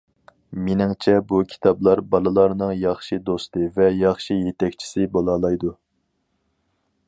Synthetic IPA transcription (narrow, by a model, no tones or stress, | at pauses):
menɪŋt͡ʃʰɛbukʲʰi̥t̪ʰɑblˠɑɾbɑlˠɨlˠɑɾnɨŋjɑχʃid̪ost̪ɨvɛjɑχʃijet̪ɛkʲt͡ʃʰi̥sɪbolˠɑːlˠɑjd̪u